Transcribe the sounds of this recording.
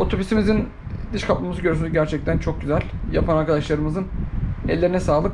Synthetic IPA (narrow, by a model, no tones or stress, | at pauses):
o̞t̪ʰo̞byst̪imizin | d̪ɯʃkʰapmamɯzɯɟø̞ɾysynyzɟæɾt͡ʃʰɛc̚t̪ʰænt͡ʃʰo̞k̚ɟyzælʲja̰pʰanaɾkad̪aʃlˠaɾɯmɯzɯnɛ̰lʲːe̞ɾinɛsaːlˠɯk